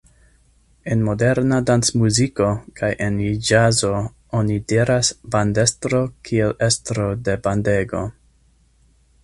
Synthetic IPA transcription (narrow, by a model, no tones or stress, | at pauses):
e̞nmo̞de̞ɾnadansmuziko̞kajʔenid͡ʒazo̞ | onidiɾasbande̞stɾo̞kʰielestɾo̞de̞bande̞ɡo̞̰